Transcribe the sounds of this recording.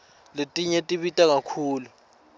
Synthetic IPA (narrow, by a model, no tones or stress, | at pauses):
letʼiɲetʼiɓitʼak̬akʰuːlu